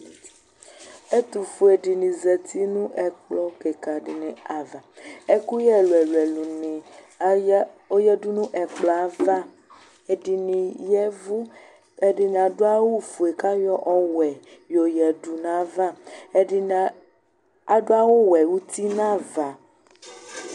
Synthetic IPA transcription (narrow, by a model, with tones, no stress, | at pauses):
e˦t̪u˨fu˨e˨ɖi˨nĩ˨zɛ˨t̪ʰi˦nũ˦ʔɛ˨k͡plɔ˦ke˨ka˨ɖɪ˨nẽ˨a˨va˨e˦ku˦jɛ˦lu˨ɛ˨lu˨ɛ˨lu˨nĩ˨˦ | o˦jɛ˦du˦nũ˦ʔɛ˨k͡plɔ˨a˨va˦ | e˨ɖi˨nĩ˨jɛ˦vu˦ | e˨ɖi˨n˨a˨do˦a˦wu˦fu˨e˨ka˦jɔ˦ʔɔ˦wɛ˨jo˨jɛ˨du˨nã˦va˦˨ | a˨do˦a˦wo˦wɛ˨wu˦t̪i˦nã˦va˨